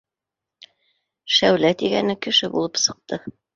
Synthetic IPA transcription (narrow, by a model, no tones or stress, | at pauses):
ʃæwlæt̪iɡæ̰nɘkɘ̆ʃɘbṵlˠɤpsɤ̆q̚t̪ɤ